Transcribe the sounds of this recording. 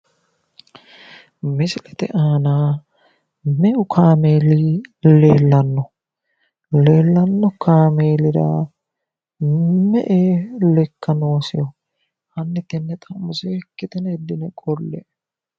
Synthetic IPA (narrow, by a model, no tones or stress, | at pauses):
mɪsɪlɛt̪ɛʔaːnaː | mɛʔʊkʰaːmeːliːleːlːɐnːɔ | leːlːɐnːɔkaːmeːlɪɾa̰ː | mɛʔeːlɛkːɐnoːsɪ̰jɔ | hɐnːɛt̪ɛnːɛt̪ʼɐmːʊseːkːɪt̪ɛnɛd̪ːɪnɛkʼɔlːɛ